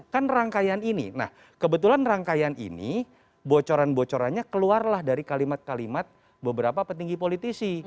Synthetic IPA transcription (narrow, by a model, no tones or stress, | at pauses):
kanraŋkajaninḭna̰h | kəbət̪ulanraŋkajanḭnḭ | bot͡ʃoɾanbot͡ʃoɾaɲakəluarlahdaɾikalimat̪̚kalimat̪̚ | bəbəɾapapət̪iŋɡipolit̪isi